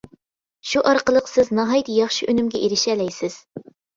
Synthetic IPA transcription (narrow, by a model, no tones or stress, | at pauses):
ʃuʔɑɾqəlˠəqsɪznɑɦɑjt̪ɨjɑχʃiʔønymɡʲɛʔiɾɪʃɛlɛjsɪz̥